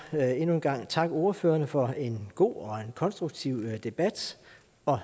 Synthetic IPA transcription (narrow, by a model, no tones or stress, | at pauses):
e̝nuenɡ̥ɑ̈ŋ̰t͡sʰɑ̈ɡ̥əo̝ɐføːɐnəfɒ̽e̝nɡ̥o̝̰ːɒ̽enkʰɒ̽nsd̥ʁuɡ̥̚t͡sʰiʊd̥e̝b̥æd̥ | ɒ̽